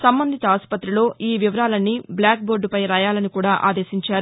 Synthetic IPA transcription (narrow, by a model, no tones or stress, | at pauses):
sɐmbɐnd̪ʱit̪ɐaːspɐt̪ːɾilo̞ːʔiːʋiʋɐɾaːlɐnːibljaːk̚boːɾɖupɐjɾaːjaːlɐnikuːɽaːʔa̰ːd̪e̞ːʃiɲt͡ʃaːɾu